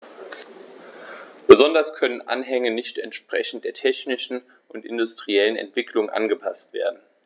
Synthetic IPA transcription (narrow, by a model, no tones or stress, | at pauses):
b̥əzɔndɐskʰœnənʔa̰nɦɛŋənɪçtɛ̰ntʃpʁ̥ɛçn̩t̚d̥eːɐtʰɛçnɪʃn̩ | ʔʊntʔɪndʊstʁ̥iɛlənɛ̰ntv̥ɪkʰlʊŋʔa̰nɡəpʰastv̥ḛːɐdn̩